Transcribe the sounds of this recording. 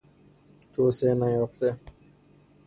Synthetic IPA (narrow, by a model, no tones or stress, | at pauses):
t̪ʰoːsenajoft̪e